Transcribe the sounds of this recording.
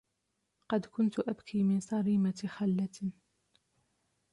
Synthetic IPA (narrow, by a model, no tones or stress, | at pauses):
qɑd̪kʊnt̪ʔæbkʰimɪnsˤɑɾiːmat̪ixalːæt̪n